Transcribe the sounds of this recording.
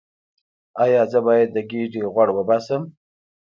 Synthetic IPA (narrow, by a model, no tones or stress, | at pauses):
ajɑzəbɑjad̪̚ːəɡiɖiɣwaɽwəbɑsəm